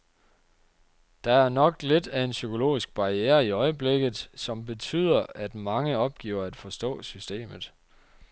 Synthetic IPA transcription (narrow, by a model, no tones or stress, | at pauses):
d̥ɑ̈æɐnɒ̽ɡ̥le̝d̥æe̝nsykʰo̝lo̝̰ːisɡ̥̚b̥ɑ̈ieːɐiɒ̽ɪəb̥leɡ̥ð̩ˠsɒ̽mb̥e̝t͡sʰy̰ð̞̰ˠɐæd̥mɑ̈ŋəɒ̽b̥̚ɡ̥ḭːʊɐæd̥fɒ̽sd̥ɔ̰̽ːsysd̥e̝̰ːmð̞̩ˠ